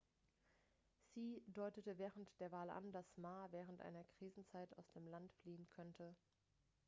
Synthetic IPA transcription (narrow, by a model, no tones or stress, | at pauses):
siːdɔʏtətəvɛːʁəntd̥eːɐvaːlʔa̰ndasmaːvɛːʁ̞əntʔa̰ɪnɐkʁ̥iːzn̩t͡saɪta̰ʊsd̥eːmlantfliːənkʰɔntʰə